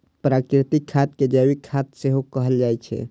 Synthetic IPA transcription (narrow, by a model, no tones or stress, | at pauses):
pɾakɾɪt̪ɪkʰːat̪ked͡ʒawikʰːat̪seɦokəɦəld͡ʒajt͡ʃʰɛ̰